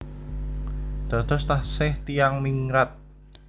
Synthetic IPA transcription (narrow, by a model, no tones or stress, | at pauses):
d̪̥a̤t̪ɔst̪ahsɪht̪ijaŋmiŋɾat̪̚